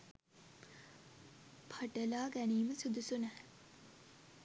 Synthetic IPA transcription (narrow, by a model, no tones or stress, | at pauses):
pʰaʈəlaːɡæniːməsud̪usunæh